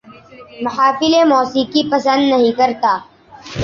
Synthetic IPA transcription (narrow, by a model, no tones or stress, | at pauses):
mʊɦaːfɪlemɔːsikipɐsə̃nd̪nɐɦĩkɐɾt̪aː